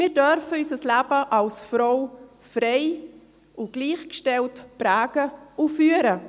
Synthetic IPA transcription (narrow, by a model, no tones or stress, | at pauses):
mɪːɾdœɾfəysəslæːbəʔɑlsfɾɔʊ | fɾeɪ | uɡ̥liːχkʃtɛltpɾæːɡ̥əufyːəɾə